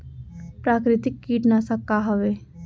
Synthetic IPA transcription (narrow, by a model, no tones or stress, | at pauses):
pɾaːkɾɪt̪ɪkːiːʈnasɐkːaɦəʋeː